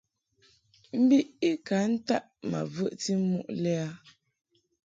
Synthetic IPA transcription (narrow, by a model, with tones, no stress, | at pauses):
m̩˦bi˦ʔi˦ka˨˦n̩˦ta˦ʔma̰˨və˦˨ʔti˦mṵ˦ʔlɛ˦a˦